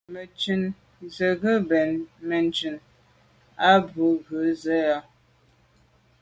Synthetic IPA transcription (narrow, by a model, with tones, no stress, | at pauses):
mə˨t͡ʃʉ˨n | zə˨ɣə˦bɛ˨nmə˨n˨t͡ʃʉ˨n | a˦bu˨˦ɣə˨˦zə˦jɔ˦